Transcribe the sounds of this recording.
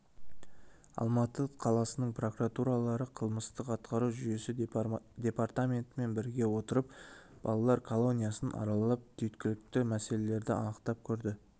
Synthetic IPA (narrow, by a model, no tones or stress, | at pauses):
ɑ̰lˠmɑt̪əqʰɑlˠɑsənəɴpro̞kuɾat̪uɾalˠɑɾəqʰəlˠməst̪əqɑt̪qɑɾuʒʏje̞sɪd̪ʲe̞part̪amʲe̞nt̪əme̞nbɪɾɡʲe̞wo̞t̪əɾəpb̥ɑ̰lˠɑlˠɑɾkʰolˠo̞nʲijasənʔɑ̰ɾɑlˠlɑp̚t̪ʰʏjt̪kʲɪlɪk̚t̪ɪmæse̞le̞le̞ɾd̪ɪɑ̰nəqt̪ɑp̚kʲʰɵɾd̪ɪ